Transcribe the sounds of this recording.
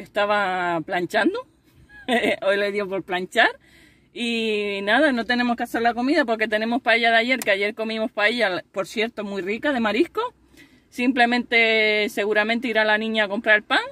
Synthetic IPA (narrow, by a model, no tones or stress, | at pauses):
eht̪aβaplaɲt͡ʃand̪o | ojleðjopo̞ɾplaɲt͡ʃaɾ | inaðano̞t̪e̞ne̞mohkease̞ɾlakomiðapo̞ɾke̞t̪e̞nẽ̞mo̞hpaeʎaðaʝe̞ɾkeaʝe̞ɾko̞mĩmo̞hpaeʎapo̞ɾsje̞ɾt̪o̞mujrikaðe̞maɾihko | simple̞mẽnt̪e̞se̞ɣuɾamẽnt̪eiɾalanĩɲaːko̞mpɾaɾelpaŋ